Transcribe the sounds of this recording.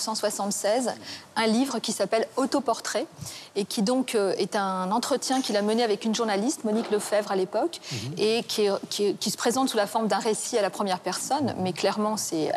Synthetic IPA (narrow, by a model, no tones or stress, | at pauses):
sɑ̃swasɑ̃t̪sɛzɛ̃livʁəkʲisapɛlɔt̪opɔʁt̪χɛekʲʰid̪ɔ̃køɛt̪ɛ̃nɑ̃t̪χət̪jɛ̃kʲilaməneavɛkynʒuʁnalist̪mɔnikləfɛvʁalepɔkekʲʰkʲkʲisə̥pχezɑ̃t̪sulafɔʁmd̪ɛ̃ʁesialapχəmjɛʁpɛʁsɔnmɛklɛʁmɑ̃sɛ